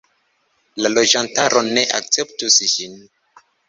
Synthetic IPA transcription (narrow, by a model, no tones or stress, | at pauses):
lalo̞d͡ʒantaɾone̞ʔa̰k̚t͡se̞ptusd͡ʒin